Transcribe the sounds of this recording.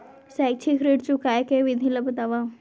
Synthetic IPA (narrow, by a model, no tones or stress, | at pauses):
sajk̚t͡ʃʰikɾeʈt͡ʃukajkeʋid̪ʱiləbət̪aʋa